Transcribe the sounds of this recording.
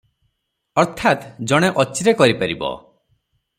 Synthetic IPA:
ɔɾt̪ʰat̪d͡ʒɔɽ̃eʔɔt͡ʃiɾekɔɾipaɾibɔ̰

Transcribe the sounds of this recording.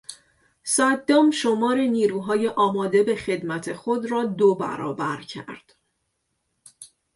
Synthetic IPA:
sæd̪ːɒːmʃomɒːɾe̞niːɾuːɦɒːje̞ʔɒːmɒːd̪e̞be̞χe̞d̪mæt̪ʰe̞xod̪ɾɒːd̪obæ̰ɾɒ̰ːbæɾcʰæ̰ɾd̪̥

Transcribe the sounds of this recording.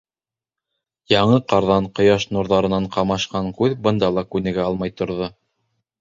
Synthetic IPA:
jɑɴɤqɑɾðɑɴqŏjɑʃnuɾðɑɾɤ̆nɑɴqɑmɑʃqɑŋkʉðbɤ̆nd̪ɑlˠɑkʉnɘ̆ɡæɑlˠmɑjt̪ŏɾðo

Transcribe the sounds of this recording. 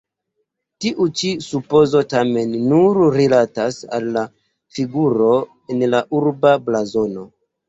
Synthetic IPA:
tiʔut͡ʃisupo̞zo̞tame̞nːuɾɾilatasa̰lːa | fiɡuɾo̞ | enlaʔuɾbablazo̞no̞

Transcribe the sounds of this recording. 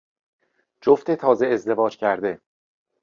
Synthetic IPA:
d͡ʒoft̪ʰet̪ʰɒːzeːzd̪e̞vɒːd͡ʒcʰæɾd̪e̞

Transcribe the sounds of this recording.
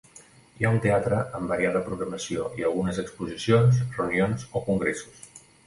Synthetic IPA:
iaunt̪eat̪ɾəʔəmbəɾiaðəpɾuɣɾəməsioʔiəlˠɣunəzəkspuzisionzreunionzokuŋɡɾesu̥s

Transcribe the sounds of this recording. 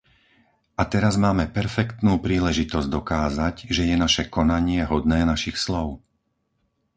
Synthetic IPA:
ʔat̪ɛɾazmaːmɛpɛɾfɛkt̪nuːpɾiːlɛʒit̪ɔzɟd̪ɔkaːzaɟʒɛjɛnaʃɛkɔnaɲɪɛɦɔd̪nɛːnaʃixslɔʊ

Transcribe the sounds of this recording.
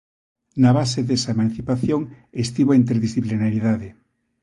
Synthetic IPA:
naβ̞aseðesaemãnθipaθjoŋ | est̪iβoint̪eɾðisθiplinaɾiðaðe

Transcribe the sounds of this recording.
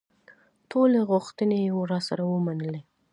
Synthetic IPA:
tʰoleɣʊxt̪ənejwoɾɑsaɾawəmanəle

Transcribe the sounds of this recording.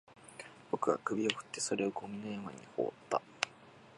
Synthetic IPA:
bo̞kɯ̟ɡa̰kɯ̟bʲio̞ɸɯ̥t̪ːe̞so̞ɾe̞o̞ɡo̞mʲinojamaɲ̟ḭho̞̰ːt̪ːa

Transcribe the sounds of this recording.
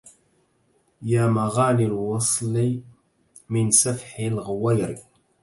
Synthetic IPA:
jæmaʁanilwɑsˤli | mɪnsæfħilʁwæjɾḭ

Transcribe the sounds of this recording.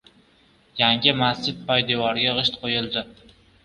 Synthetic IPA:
jaŋʲɪmast͡ʃɪd̪̚pʰɒjd̪evɒɾɡʲaʁɨʃt̪qʰojɪlˠd̪ɪ

